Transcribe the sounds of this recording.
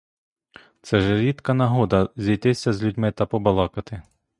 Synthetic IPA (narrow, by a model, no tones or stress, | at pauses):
t̪sɛʒɛɾʲit̪kɐnɐɦɔd̪ɐzʲijt̪ɪsʲɐzʲlʲudʲmɪt̪ɐpɔbɐlˠɑkɐt̪ɪ